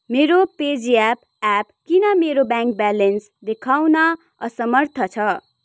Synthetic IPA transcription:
meɾoped͡ziap | ap̚kinʌmeɾobãŋk̚balens | d̪ekʰawnʌ | ʌsʌmʌrt̪ʰʌt͡sʰʌ

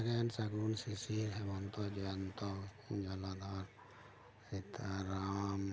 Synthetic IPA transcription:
ɾɛnsaɡɾunsisiɾɦɛbɔnt̪ɔd͡ʒɔnt̪ɔ | ud͡ʒɔlad̪ʱaɾ | ɾit̪ʰaɾam

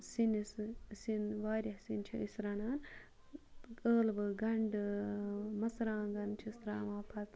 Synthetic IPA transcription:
sinissinʋaːɾʲɐhsint͡ʃʰiisɾɐnaːn | əːlbɨɡɐɳɖɨ | mɐsɾãːɡɐnt͡ʃʰist̪ɾa̰ːmaːpʰɐt̪

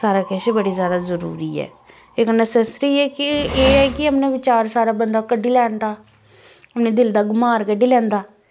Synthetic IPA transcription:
saːɾaːkɛʃbəɽiːzjaːd̪aːzəɾṵːɾiːɛ̰ː | ɪknəsɛsɾiːɛːkɪeːɛːkɪɦəmnẽːʋɪt͡ʃaːɾsaːɾaːbənd̪aːkəɖːiːlɛːnd̪aː | ɦəmneːd̪ɪld̪aːɡʊmaːɾkəɖiːlɛ̃ːnd̪aː

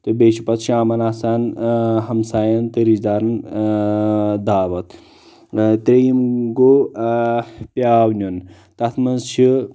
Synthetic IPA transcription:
t̪ɨbeːʃipɐt̪ʃʰiaːmɐnaːsaːnɦɐmsaːjɐnt̪ɨɾizd̪aːɾn | d̪aːʋɐt̪ | t̪ɾejimɡo | pjaːwnʲun | t̪ɐt̪ʰmɐnzt͡ʃʰi

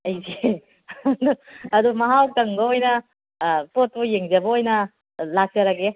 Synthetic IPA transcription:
ɐjze | duɐdumɐɦawkɐŋbɐojnɐ | pot̚pujeŋd͡ʒɐbɐojnɐ | lak̚zɐɾaɡe

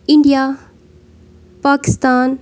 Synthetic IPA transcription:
ɪɳɖijaː | paːkɪst̪aːn

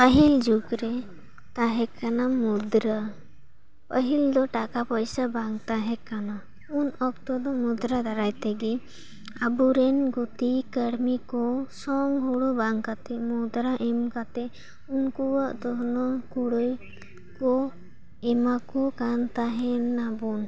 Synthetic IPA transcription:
pəɦild͡ʒuɡɾɛ | t̪aɦɛkanamud̪ɾa | pəɦild̪ɔʈakapəjsabaŋt̪aɦɛkana | unɔkt̪ɔd̪ɔmud̪ɾad̪aɾajt̪ɛɡɛ | abuɾɛnɡut̪ikəɽmikɔsɔŋɦuɽubaŋkat̪ɛmud̪ɾaʔɛmkat̪ɛ | unkuwəʔd̪ɔɦnɔkuɽəj | kɔ | ɛmakɔkant̪aɦɛnabun

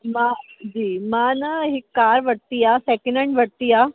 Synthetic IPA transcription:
mãd͡ʑiːmãːnɐɦɪkːaːɾʋəɽ̚t̪ijaːseːkɪnə̃ɳʈʋɐɽt̪iːjaː

